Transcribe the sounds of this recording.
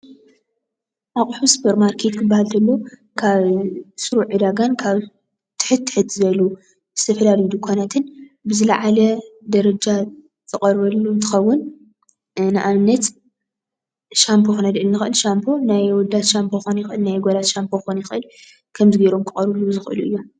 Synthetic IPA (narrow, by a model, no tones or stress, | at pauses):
ʔaχʼħusɨ̥pʰɐɾmaɾkʰe̞t̪kʰɨbːahalt̪ʰɐlːo | kʰaβsɨɾuʔɨd̪aɡankʰaβ | t̪ʰɨ̥ħɨt̪ʰːɨ̥ħɨt̪ʰːɨzɐjlu | z̥ɨ̥t̪ʰɐfɐlalid̪ukʷʰanat̪ʰɨnbɨzɨlaʕalɐd̪ɐɾɐd͡ʒa | zɨqʼɐɾβɐlːunt̪ʰɨ̥xɐwːʊn | nɨʔanɨnːɐt̪ | ʃampʰoxɨnɐd̪ʔɨlnːɨxɨʔɨlʃampʰo̞najwɔd̪ːat̪ʃampʰoxonjɪxʔɨlnajɡolat̪ʃampʰoxonjɪxʔɨl | kʰɐmzɨɡɐɾo̞mkʰɨχʼɐɾβɨluzɨxʔɨluʔɨjːo